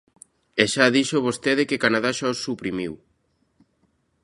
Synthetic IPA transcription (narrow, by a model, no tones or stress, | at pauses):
eʃaðiʃoβ̞ost̪eðekekanaðaʃaosːupɾimiw